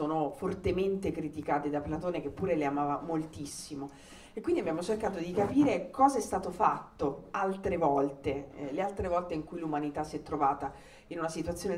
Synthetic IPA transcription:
oːnofort̪ement̪ekɾit̪ikaːt̪ed̪aplat̪oːnek̟epːuːɾeleamaːvamolt̪isːimo | ekwindiabjaːmot͡ʃerkaːt̪od̪ikapiːɾekɔːzaɛst̪aːt̪ofat̪ːoalt̪ɾevɔlt̪elealt̪ɾevɔlt̪eiŋkujlumanit̪asiɛt̪ːɾovaːt̪a | inunasit̪wat̪sːjoːne

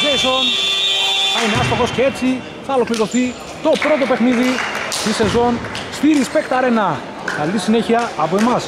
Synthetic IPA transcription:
veson | θɐineɐst̪ɾoxo̞scee̞t͡si | θɐolo̞kliɾo̞θi | t̪o̞pɾo̞t̪o̞pe̞xniðit̪ise̞zo̞nstiɾiːspe̞kt̪ɐɾe̞nɐ | kɐlisine̞çiɐːpo̞e̞mɐs

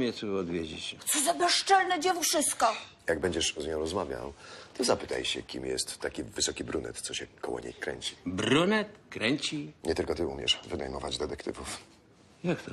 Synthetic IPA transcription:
mʲɛt̪suɔd̪vʲjed͡ʑet͡ɕt̪sɔzabaʂt͡ʂalnɛd͡ʑɛvuʂɘskɔ | jaɡ̚bɛɲd͡ʑɛʂzɲɔ̃w̃ɾɔzmavʲja̰wt̪ɔzapɘt̪a̰jɕɛ̰kʲḭmjɛ̰st̪ːakʲivɘsɔkʲibɾunɛ̰t̪t̪sɔɕɛkɔwɔ̰ɲḛjkɾɛ̰ɲt͡ɕi̥bɾunɛt̪kɾɛɲt͡ɕiɲɛt̪ɘlkɔt̪ɘumʲjɛ̰ʂvɘnajmɔvad͡ʑd̪ɛt̪ɛkt̪ɘ̰vuf | jakt̪ɔ

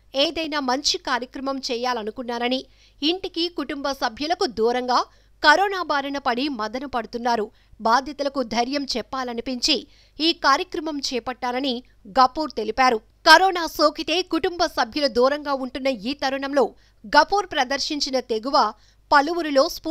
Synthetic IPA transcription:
eːd̪ɐjnaːmɐɲt͡ʃikaːɾjɐkɾɐmɐmt͡ʃɛːjaːlɐnukunːaːɾɐniː | ɳʈikikuʈumbɐsɐbʱjulɐkud̪uːɾɐŋɡaː | kɐɾɔːnaːbaːɾɐnɐpɐɽimɐd̪ɐnɐpɐɽut̪unːaːɾu | baːd̪ʱjɐt̪ɐlɐkud̪ʱɐɾjɐmt͡ʃɛpːaːlɐnipiɲt͡ʃiː | kaːɾjɐkɾɐmɐmt͡ʃɛːpɐʈːaːlɐni | ɡɐpːuːɾt̪e̞lipaːɾu | kɐɾɔːnaːsoːkit̪e̞ːkuʈumbɐsɐbʱjɐlud̪uːɾɐŋɡaːuɳʈunːɐiːt̪ɐɾuɳɐmlo̞ː | ɡɐpuːɾpɾɐd̪ɐɾʃiɲt͡ʃinɐt̪e̞ɡuʋaː | pɐluʋuɾilo̞ːspː

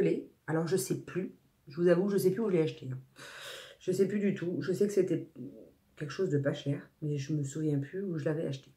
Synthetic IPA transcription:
əle | alɔʁʒəsɛply | ʒəvuzavuʒəsɛplyuʒəlɛaʃt̪eɛ̃ | ʒ̥əsɛplyd̪yt̪ʰuʒəsɛkə̥set̪ɛ | kʲɛlkə̥ʃozd̪əpaʃɛːʁmɛʒəməsuvjɛ̃plyuʒəlavɛaʃt̪e̥

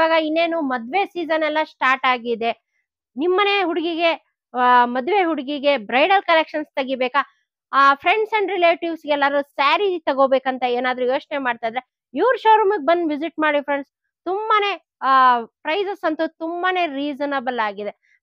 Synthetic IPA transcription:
aːɡɐinːe̞ːnumɐd̪ʋe̞siːd͡ʒɐnɛlːɐsʈaːɾʈaːɡid̪e̞ | nimːɐneːɦuɽiɡiɡe̞ | mɐd̪ʋe̞ɦuɽiɡiɡe̞bɾɐjɖɐlkɐlekʂɐnst̪ɐɡibɛːkaː | pʰɾe̞ɳɖsɐɳɖɾileːʈiʋsɡɛlːɐɾusaːɾit̪ɐɡoːbeːkɐnt̪ɐeːnaːd̪ɐɾujo̞ːt͡ʃnemaːɖt̪aːjd̪ɾe | iʋɾʃoːɾɐmɐk̚bɐnd̪ʋid͡ʒiʈmaːɽipʰɾeɳɖs | t̪umbɐne̞ | pɾɐjsɐsɐnt̪ut̪umbɐne̞ːɾiːd͡ʒɐnɐbɐlaːɡid̪e

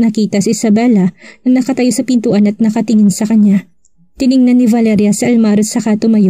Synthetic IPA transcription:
nɐkiːt̪ɐsiɪsɐbɛlɐnɐnɐkɐt̪ɐjosɐpɪnt̪uʔɐnɐt̪̚nɐkɐt̪ɪŋɪnsɐkɐɲja | t̪ɪnɪŋnɐnːivɐlɛɾjɐsiʔɐlmaɾosɐkaːt̪omɐjo

